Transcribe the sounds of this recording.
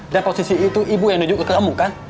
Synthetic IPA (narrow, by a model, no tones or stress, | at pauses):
danpɔsisiit̪uʔibujãŋnud͡ʒʊʔkkamukan